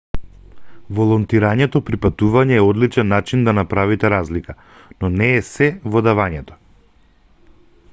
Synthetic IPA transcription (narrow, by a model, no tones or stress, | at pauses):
volˠɔnt̪iɾaɲɛt̪ɔpɾipat̪uvaɲɛːɔd̪lit͡ʃɛnːat͡ʃind̪anapɾavit̪ɛɾazlika | nɔnɛːsɛvɔd̪avaɲɛt̪ɔ̥